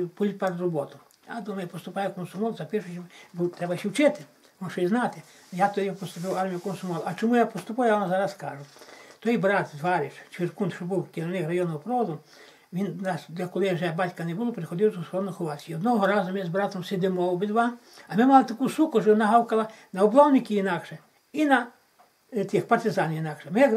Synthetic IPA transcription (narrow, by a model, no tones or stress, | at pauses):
pɔlʲit̪paɾd̪rɔbɔt̪ʊ | ja̰d̪umɐjɛpɔst̪ʊpajɛkɔnsʊmɔlˠzɐpʲɪʃʊt͡ʃɔmbut̪ɾɛbɐjʃʲiwt͡ʃɪt̪ɪ | ʋɔnʃɔiznat̪ɪ | jat̪ɔdʲipɔst̪ʊp̬ɪwarmʲijʊkɔnsʊmɔlˠɐt͡ʃɔmujapɔst̪ʊpujʊjaʋamzaɾɐskaʒʊt̪ɔjbɾat̪zʋaɾʲɪʃt͡ʃʋɪrkunt̪ʃɔbuwkʲeɾɔnɪxrɐjɔnɔɔpɾɔʋɔd̪ʊ | ʋʲinnasd̪ʲlʲɐkɔlˠɪʒɛbatʲkɐnɛbʊlˠɔpɾɪxɔd̪ɪwˠɐzɔsɔd̪nɔxɔʋaiɔd̪nɔɦɔɾazʊmʲzbɾat̪ɔmsed̪ɪmɔwbɪd̪ʋam | ɐmɪmalˠɪt̪ɐkusukʊʒɔʋʲɔnaɦawkɐlˠɐnɐɔblˠɔwnɪkʲiinakʃɛ | inɐ | t̪ʲɪxpɐrt̪ɪzanʲjinakʃɛmɪ